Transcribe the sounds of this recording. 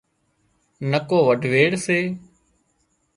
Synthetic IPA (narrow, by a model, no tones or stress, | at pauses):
nəkoːʋəɖʱʋeːɽseː